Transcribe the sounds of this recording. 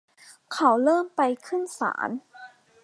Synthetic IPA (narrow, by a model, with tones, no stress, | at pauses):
kʰa˩˥wlɤː˥˩mpa˧jkʰɯ˥˩nsa̰ː˩˦n